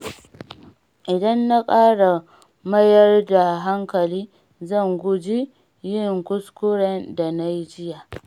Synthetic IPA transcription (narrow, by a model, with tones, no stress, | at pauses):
ʔɪ˨dɐ˦nːa˦kʼaː˦ɽa˨ | mɐ˦jɐ˦rda˨ɦa˦ŋkɐ˨liː˦ | zɐ˦˨ŋɡʷʊ˦d͡ʒi˦ | jɪ˦˨ŋkʷʊ˦skʷʊ˦ɽɛ˦nda˨na˦ji˦d͡ʒɪ˦jaː˨